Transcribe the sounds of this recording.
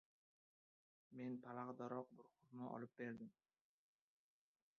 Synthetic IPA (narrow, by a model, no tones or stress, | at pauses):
me̞npʰalaʁd̪aɾɒq̚bʊɾχʊɾnaʔɒ̰lˠɪp̚be̞ɾd̪ɪm